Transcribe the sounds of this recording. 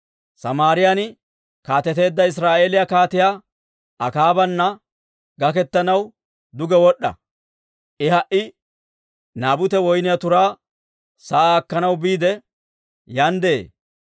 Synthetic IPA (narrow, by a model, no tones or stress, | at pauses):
sɐmaːɾɪjanɪ | kaːt̪ɛt̪e̞ːd̪ːɐɪs̬ɾaːʔe̞ːlɪjakaːt̪ɪja | ɐkaːbɐnːɐ | ɡɐk̬ɛt̪ːɐnɐw | d̪ʊɡɛwɔɗːɐ̰ | ʔɪɦɐʔɪ | naːbʊt̪ɛwɔjnɪjat̪ʊɾaː | sɐaːkːɐnɐwbiːd̪ɛ | jɐnd̪ḛː